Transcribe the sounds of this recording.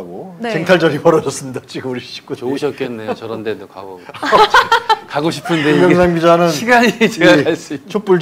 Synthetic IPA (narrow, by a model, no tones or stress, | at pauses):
ɡot͡ɕeŋtʰaɭd͡ʑʌɾipʌɾʌd͡ʑʌs͈ɯmɲidat͡ɕiɡɯmuɾiɕʰi̥p̚k͈uoɕʰʌt̚k͈enːejt͡ɕʌɾʌndedoka̰ɡot͡ɕkaɡoɕʰi̥pʰɯndemjʌŋs̬ʰaŋɡid͡ʑanɯnɕʰiɡaɲit͡ɕeɡakaɭs͈ɯt͡ɕʰop͈uɭ